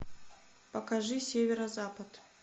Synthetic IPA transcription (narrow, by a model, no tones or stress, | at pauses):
pɐkaʐɨsʲevʲeɾɐzapɐt̪